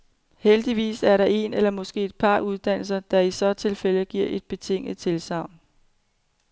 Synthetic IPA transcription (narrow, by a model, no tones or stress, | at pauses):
held̥iʋḭːsæɐɾɑ̈ʔe̝nelɐmɒ̽sɡ̥e̝̰ːe̝d̥̚pʰɑ̈ʔuð̞ˠd̥æn̰l̩sɐd̥ɑ̈isɒ̽t͡sʰe̝lfel̰əɡ̥iɐ̰ʔe̝d̥̚b̥e̝t͡sʰe̝ŋ̰nðt͡sʰe̝lsɑ̈ʊ̰n